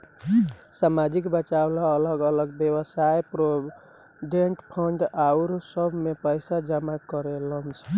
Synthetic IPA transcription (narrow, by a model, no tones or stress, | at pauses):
samad͡ʒikbət͡ʃawlaːləɡələɡbjewəsajpɾo | ɖeɳʈpʰəɳɖawɾsəbʱmepəjsad͡ʒamakəɾelənt͡ʃʰ